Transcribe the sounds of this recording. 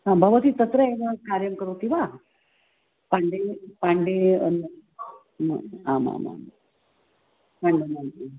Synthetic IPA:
ɦãbʱəʋət̪iːt̪ət̪ɾəenakaɾjəmkəɾokĩw̃ʋa | paɳɖepaɳɖeən | ma̰ãmã̰ma̰m | paɳɖenai

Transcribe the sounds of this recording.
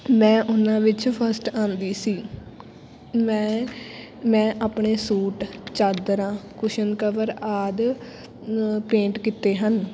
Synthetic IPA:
mɛ̃ːʔʊnãːʋɪt͡ʃpʰəɾsʈãːnd̪iːsiː | mɛ̃ː | mɛ̃ːʔaːpɳeːsuːʈt͡ʃaːd̪ɾãːkʊʃənkəʋəɾaːd̪ | pẽːɳʈkit̪eːɦən

